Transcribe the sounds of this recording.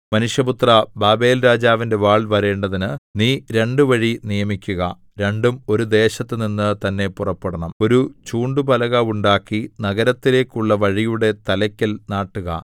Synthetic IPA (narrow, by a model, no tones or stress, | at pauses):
mɐnuʂjɐbut̪rɐbaːbe̞ːlɾaːd͡ʑaːʋinde̞ʋaːɭʋɐɾe̞ːɳɖɐðinɨniːɾe̞ɳɖuʋɐɻinijɐmikʲːuɣɐ | ɾe̞ɳɖumo̞ɾud̪e̞ːɕɐt̪ːɨninːɨt̪ɐnːe̞purɐpːeɽɐɳɐmo̞ɾut͡ɕuːɳɖubɐlɐɣɐuɳɖaːkːinɐɣɐɾɐt̪ːile̞ːkːuɭːɐʋɐɻijuɽe̞t̪ɐlɐkʲːɐlnaːʈːuɣɐ̰